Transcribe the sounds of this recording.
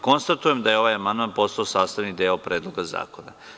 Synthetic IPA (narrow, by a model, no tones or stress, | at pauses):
ko̞nst̪at̪ujemd̪ajeo̞ʋajamand̪manpo̞st̪aosaːst̪aʋnid̪eːopɾeːd̪lˠoɡaza̰ːko̞na̰